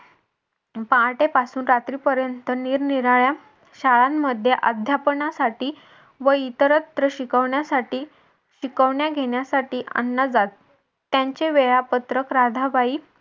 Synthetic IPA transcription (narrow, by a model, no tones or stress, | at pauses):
pãʈepasuːnɾat̪ɾiːpəɾjənt̪əniːɾniɾaɭja | ɕaɭamːəd̪ʱjeʔəd̪ʱjapəɳasaʈiː | ʋəit̪əɾət̪ɾəɕikəʋɳjasaʈiː | ɕikəʋɳjaɡʱeɳjasaʈiːʔa̰nːad͡zat̪ː | jaɲt͡ɕeʋeɭapət̪ɾəkɾad̪ʱaʋaiː